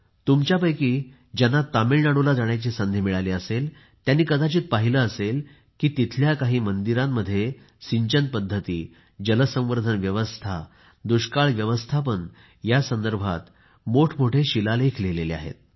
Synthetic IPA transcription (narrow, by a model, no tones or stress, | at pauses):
t̪umt͡ɕjapəjkiː | d͡ʑanːat̪amiɭnaɽulad͡zaɽ̃jat͡ɕisənd̪ʱimiɭaleəsel | t̪janːiːkəd̪at͡ɕiːt̪̚paɦiləəsel | kiːt̪it̪ʰljakaɦiːmənd̪iɾamːəd̪ʱːje | siɲt͡ɕən̚pəd̪ʱːət̪iː | d͡ʑələsə̃ʋəɾd̪ʱənʋjəʋəst̪ʰa | d̪uɕkaɭʋjəʋəst̪ʰapəɳ | jasənd̪əɾbʱa̰t̪ | moʈʰmoʈʰeɕilalekʰlelelea̰ɦḛt̪̚